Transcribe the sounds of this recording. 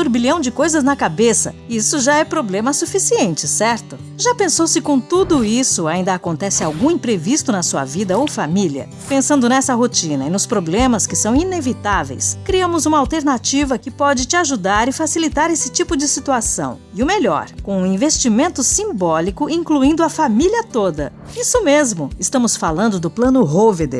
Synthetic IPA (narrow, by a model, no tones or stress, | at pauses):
uɾbilɐ̃w̃d͡ʒɪkojzɐznɐkabesɐ̰isʊʒaɛpɾoblẽmɐsufisiẽnt͡ʃɪsɛɾt̪ʊ | ʒapẽsowsɪkõt̪ud̪ʊisʊaĩnd̪ɐːkõnt̪ɛsɪawɡũĩpɾevist̪ʊnɐsuɐ̰vid̪ɐowfamiliɐ̰ | pẽsɐ̃nd̪ʊnɛsɐɦot͡ʃĩnɐinʊspɾoblẽmɐskɪsɐ̃w̃inevit̪avḛjskɾiɐ̃mʊzũmɐawt̪eɾnat͡ʃivɐkɪpɔd͡ʒɪt͡ʃɪaʒud̪aɾɪfasilit̪aɾesɪ̥t͡ʃipʊd͡ʒɪsit̪uasɐ̰̃w̃ | ɪʊmeʎɔ̰ɾkõũĩvest͡ʃimẽnt̪ʊsĩbɔlikʊʔĩŋkluĩnd̪ʊɐfamilʲiɐt̪od̪ɐ | isʊmezmʊɪst̪ɐ̃mʊsfalɐ̃nd̪ʊd̪ʊplɐ̃nʊɦoved̪ḛ